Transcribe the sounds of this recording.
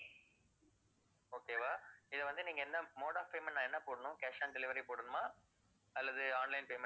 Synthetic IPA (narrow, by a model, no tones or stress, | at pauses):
oːkeːʋaːɪðɐʋɐnd̪ɯnĩːŋɡɐɛnːɐmoːɽaːfpeːmɛnnːãːɛnːɐpoːɽɐnʊ̃keːʂaːnɖɛlɪʋɐɾipoːɽɐnʊmãː | ɐlːɐðɯaːnlɐɪnpeːmɛ